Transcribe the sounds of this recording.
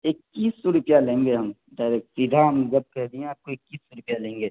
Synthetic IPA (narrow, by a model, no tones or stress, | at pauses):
ɪkːiːsːoɾʊpjalẽːŋɡeɦɐm | ɖaːɪɾeːk̚sɪd̪ʱaɦɐmd͡ʒɐb̚kɛɦd̪iẽaːb̚koɪkːiːsːɔɾʊpjalẽːŋɡeː